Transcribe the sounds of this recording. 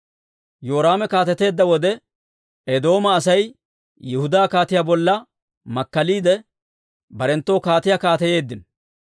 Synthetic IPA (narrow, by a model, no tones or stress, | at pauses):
jo̞ːɾaːmɛkaːt̪ɛt̪e̞ːd̪ːɐwɔd̪ɛ | ɛd̪o̞ːmɐːsɐj | jɪhʊd̪aːkaːt̪ɪjaːbɔlːɐ | mɐkːɐliːd̪ɛ | bɐɾɛnt̪ːo̞ːkaːt̪ɪjaːkaːt̪ɛje̞ːd̪ːɪn